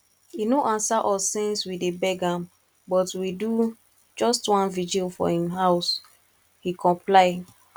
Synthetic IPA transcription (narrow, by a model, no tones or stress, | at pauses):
inoʔãnsaʔɔlsẽnswidebɛɡãm | bɔtwidu | d͡ʒɔstwãnvid͡ʒulfɔ̰hĩmɦaʊs | hikʰɔ̃mplaɪ